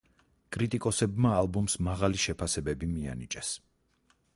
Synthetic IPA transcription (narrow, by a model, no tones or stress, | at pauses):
kʼɾit̪ʼikʼɔsɛbmaːlˠbɔmsmaʁaliʃɛpʰasɛbɛbimia̰nḭt͡ʃʼɛs